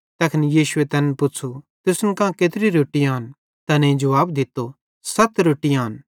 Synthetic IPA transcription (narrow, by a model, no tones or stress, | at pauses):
t̪ɐkʰɪnijiːʃʊet̪ɛːnpʊt͡ʃʰu | t̪ʊsnkãːket̪ɪɾiɾoːʈiaːn | t̪ɐnẽĩd͡ʒɐʋaːb̚d̪ɪt̪ːo | sɐt̪ɾoːʈːijaːn